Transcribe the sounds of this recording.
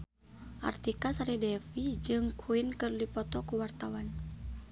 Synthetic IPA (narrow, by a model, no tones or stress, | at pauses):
ʔa̰rt̪ikasaɾɛdɛfid͡ʒɨŋkʰuinkɨrdipɔt̪ɔkuwart̪awan